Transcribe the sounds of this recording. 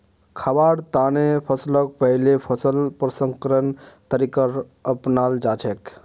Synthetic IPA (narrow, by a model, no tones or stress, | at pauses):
kʰabaɽt̪anepʰəslək̚pəɦlepʰəsəlpɾəsəŋkəɾənt̪əɾikəɾ | əpnald͡ʒat͡ʃʰek